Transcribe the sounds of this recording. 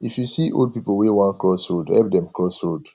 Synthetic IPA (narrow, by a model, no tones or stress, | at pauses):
ifjusiʔo̰ld̚pipəwewãnkɹɔshodhɛlp̚dɛ̃mkʰɹɔshold̥